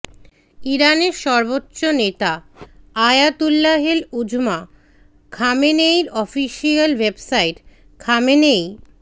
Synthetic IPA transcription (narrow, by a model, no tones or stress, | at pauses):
iɾaneɾʃɔɾbotːɕonet̪aajat̪ulːaɦelud͡ʑma | kʰamenejɾɔfiʃialwebsaiʈ | kʰamenej